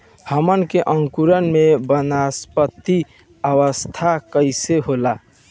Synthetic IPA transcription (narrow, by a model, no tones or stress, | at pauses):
həmənkeʔəŋkuɾənmebənaspət̪ːi | əʋəst̪ʰakəɪseɦola